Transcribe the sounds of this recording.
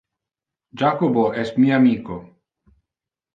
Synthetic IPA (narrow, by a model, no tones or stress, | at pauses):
d͡ʒakoboest̪miaːmiko